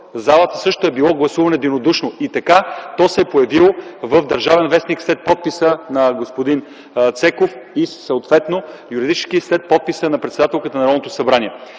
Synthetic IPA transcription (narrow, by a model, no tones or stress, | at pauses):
zalˠət̪əsɤʃt̪oɛbilˠɔɡlˠɐsuvɐnɛd̪inod̪uʃnoit̪ɐkat̪ɔsɛpojɐvilˠvəvd̪ɐɾʒavɛnvɛsnikslɛt̪̚pɔt̪̚pisənɐɡospod̪in | t̪sɛkofisəot̪vɛt̪nojuɾid̪it͡ʃɛ̥skislɛt̪̚pɔt̪̚pisənɐpɾɛt̪sd̪at̪ɛlˠkət̪ənɐɾɔd̪not̪osɐbɾaniɛ